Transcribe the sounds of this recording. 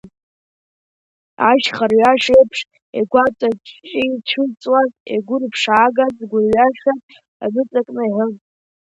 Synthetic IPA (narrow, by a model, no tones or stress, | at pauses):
aʒχarɥaʃejpʰʂ | ḛɡʷat͡sʷʼat͡ʃʼʰt͡ʃʼit͡ʃʷʰɨt͡sʼwazḛɡʷʊrpʰʂaːɡazɡʷʊrɥaʃatʼ | a̰mɨt͡sʼakʼnɨʕʊ